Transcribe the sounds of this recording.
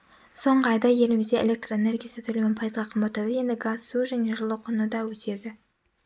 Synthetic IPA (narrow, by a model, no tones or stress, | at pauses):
so̞ɴʁəɑjd̪ɑje̞lɪmɪzd̪eḛlʲe̞k̚t̪roene̞rɡʲijasət̪ʰɵlemɪnpʰɑjəzʁɑqʰəmbɑt̪ɑd̪əje̞nd̪ɪɡasːuʒæne̞ʒʊlˠəqʰʊnəd̪ɑwɵse̞d̪ɪ